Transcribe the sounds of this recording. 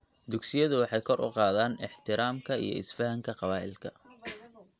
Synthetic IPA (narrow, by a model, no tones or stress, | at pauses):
d̪ʊɡsɪjɐðʊwɑħɑjkʰɔrʊ̰qɑːðaːnɪħt̪ʰɪɾaːmkʰɐḭjɞ̰ɪsfɐɦɐŋkʰɐqɑβaːʔɪlkʰɐ